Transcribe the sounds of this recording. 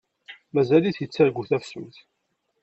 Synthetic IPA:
mæzæliθjət͡sːæɾɡʷuθæfsəmθ

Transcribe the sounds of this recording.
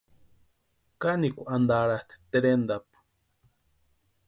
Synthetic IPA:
kanikʷaʔand̪aɽat̪i̥t̪eɾend̪ap

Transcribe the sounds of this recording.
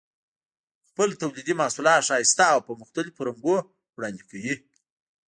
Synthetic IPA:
xpəlt̪awlid̪imɑsulɑʃɑist̪aːwpəmʊxt̪alipʊɾaŋɡo | wɽɑnd̪ikawi

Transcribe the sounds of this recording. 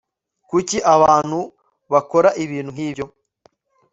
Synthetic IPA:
kuciʔaβaːn̥hu | βakoɾaʔiβiːn̥huŋhiːbjo̞

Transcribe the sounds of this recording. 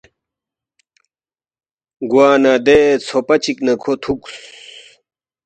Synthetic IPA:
ɡwaːnad̪et͡sʰopɐt͡ɕiknɐkʰot̪ʰuks

